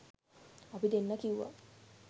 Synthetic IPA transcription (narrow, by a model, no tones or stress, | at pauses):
apid̪enːəkiuʋa̰